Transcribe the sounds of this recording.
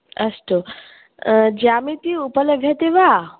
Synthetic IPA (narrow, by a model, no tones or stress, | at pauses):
ɐsʈ̪o | d͡ʒamĩt̪iupələɡʱjat̪eʋa